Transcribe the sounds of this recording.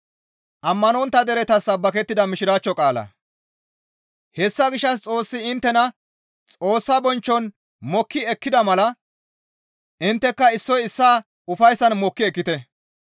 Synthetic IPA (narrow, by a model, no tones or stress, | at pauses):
ʔɐmːɐnɔnt̪ːɐd̪ɛɾɛt̪ɐsːɐbːɐkɛt̪ːɪd̪ɐmɪʃɪɾaːt͡ʃːɔkʼaːlɐ̰ | hɛsːɐɡɪʃːɐs̬t͡sʼo̞ːsːɪɪnt̪ːɛnɐ | t͡sʼo̞ːsːabɔnt͡ʃːɔn | mɔkːɪɛkːɪd̪ɐmɐlɐ | ʔɪnt̪ːɛkːɐɪsːɔjɪsːaː | ʊfɐjsɐnmɔkːɪɛkːɪt̪ɛ